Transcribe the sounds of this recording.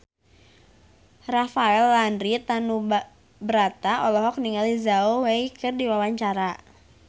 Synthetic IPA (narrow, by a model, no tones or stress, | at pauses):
rafaɛlːandɾit̪anu | bəɾat̪aɔlɔɦɔk̚niŋalizaoweikɨrdiwawaɲt͡ʃaɾa